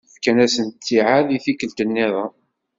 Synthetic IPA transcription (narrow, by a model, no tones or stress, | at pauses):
fkænæsənt̪ːiʕaðiθikəlt̪ənːiðˤɑ